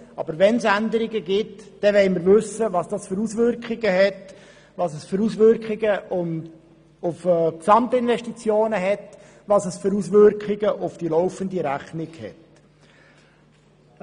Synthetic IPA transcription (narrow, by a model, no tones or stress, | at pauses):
ɑ̰bəɾʋɛnsænd̪əɾɪɡəɡɪtd̥ɛʋɛɪməɾvɵsəʋɑsd̥ɑsføɾusʋʏɾkχɪɡəɦɛt | ʋɑsɛsføɾusʋʏɾkχɪɡəʊn | ʊfːksɑmt̪əɪnʋɛʃtit͡sjoːnəɦɛt | ʋɑsɛsfʏɾusʋʏɾkχɪɡəʔʊfd̥ilɔʊfəndiɾæχnɪɡ̥hɛ̰t